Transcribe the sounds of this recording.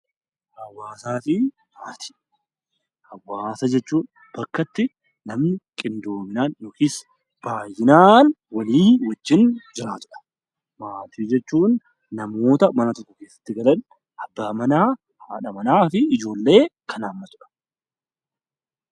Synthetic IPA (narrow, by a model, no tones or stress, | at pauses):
ʔɐwːaːsaːfɪ | maːt̪ʰi̥ | ɐwːaːsɐd͡ʒɛt͡ʃːuːn | b̥ɐkːɐt̪ːɪ | nɐmnɪkʼɪnd̪o̞ːmɪnaːnjɔkis | b̥aːjːɪnaːn | wɐliːwɐd͡ʒːɪnd͡ʒɪɾaːt̪ʊᶑɐ̥ | maːt̪iːd͡ʒɛt͡ʃːuːnː | ɐmo̞ːt̪ɐmɐnɐt̪ɔkːɔke̞ːsːɐ̥t̪ːɪɡɐlɐn | ʔɐbːaːmɐnaː | hᶑɐmɐnaːfɪɪd͡ʒo̞ːlːe̞ːkʰɐnaːmːɐt̪ʊᶑɐ̥